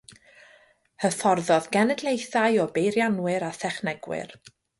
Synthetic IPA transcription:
həθɔrðɔðɡɛnɛdlˠejθajɔbejɾjanwɨɾaθɛχnɛɡwɪ̰r

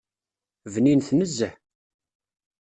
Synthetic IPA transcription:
vninθnəzːəħ

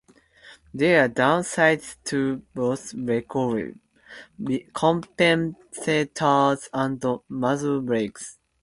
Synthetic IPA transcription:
d̪eadãʊ̃nsaɪdtʰuboθɹɛkʰɔɹḭ | ikʰɔ̃mpɛ̃m | setʰazãnd̪əmazubɹeks

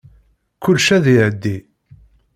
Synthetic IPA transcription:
kʊlʃæðiʕəd̪ːi

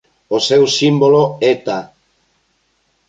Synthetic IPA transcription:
osewsimboloet̪a

